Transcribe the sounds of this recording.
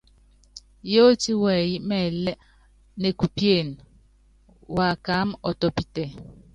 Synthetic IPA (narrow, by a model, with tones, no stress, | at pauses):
jo˦ti˦wɛ˨ji˦mɛ˨lɛ˦ | ne˨ku˨pje˦˨n | wa˨ka˨˦mɔ˨tɔ˨pi˦tɛ˨